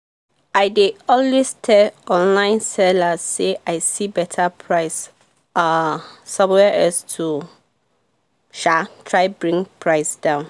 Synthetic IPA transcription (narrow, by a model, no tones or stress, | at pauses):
aɪdeɔlwestʰɛɔ̃nlãɪ̃nsɛlaseʔaɪsibɛtʰapʰɹaɪs | asãmwɛʔɛstʰu | ʃatʰɹaɪbɹĩŋpʰɹaɪsd̥ãʊ̃n